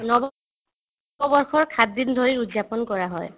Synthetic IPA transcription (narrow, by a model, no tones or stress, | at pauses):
nɔbɔ | bɔbɔɹxɔɹkʰadːindʱoɹiudzapɔnkɔɹaɦɔj